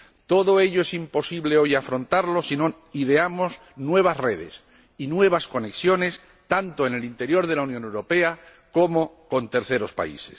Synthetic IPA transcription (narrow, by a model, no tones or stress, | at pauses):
t̪o̞ðoe̞ʎoesimpo̞siβleo̞jafɾõ̞nt̪aɾlo̞sino̞ | iðeamo̞z | nwe̞β̞asre̞ð̞e̞̰s | inwe̞β̞asko̞ne̞ksjo̞ne̞s | t̪ant̪oene̞lint̪e̞ɾjo̞ɾð̞e̞launjonewɾo̞pe̞a | komo̞ko̞nt̪e̞ɾθe̞ɾo̞spa̰ḭse̞s